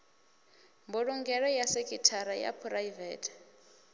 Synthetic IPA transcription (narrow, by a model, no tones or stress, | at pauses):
mbɔɺuŋɡɛɺɔjasekʰʼitʰaɾaja̰pʰurajvɛːtʰ